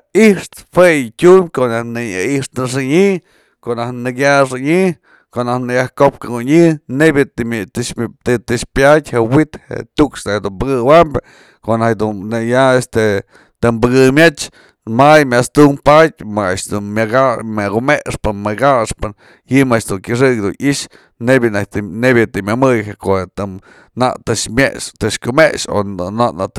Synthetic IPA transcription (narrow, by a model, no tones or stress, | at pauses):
iʂt̪fejtʲumʲkoʔnahnɨaiʂt̪ɨʂ̬ɨɲi | koʔnahnɨkʲjaʂɨɲi | koʔonahnɨjahkop̚kauɲɨnebʲɨ | t̪ɨt̪ɨʂpʲatʲhewit̪hḛt̪uksnahd̪umbɨɡɨwambʲa | koʔnad̪unnejaest̪e | t̪ɨmbɨɡɨmʲet͡ʃ | majmʲaʔst̪umpat̚ʲmaaʃd̪unmʲaɡamaɡumeʔʂpɨnmɨɡaʂpɨn | jɨmaʃd̪uŋkʲɨʂ̬ɨkd̪ṵnʔiʃ | nebʲjɨnanebʲjɨt̪ɨmʲamɨjhekoʔet̪ɨ | na̰ʔt̪ɨʂmʲeʔt̪ɨʂkʲumeʔʂo̰naʔnat̪